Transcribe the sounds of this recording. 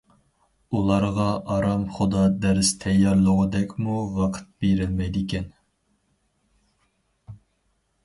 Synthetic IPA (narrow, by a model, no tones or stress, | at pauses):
ulˠɑɾʁɑʔɑɾɑmχʊd̪ɑd̪æɾst̪ʰɛjːɑɾlˠəʁʊd̪ɛkʲmuʁɑqʰə̥t̪̚beɾɪlmɛjd̪ɪkʲɛn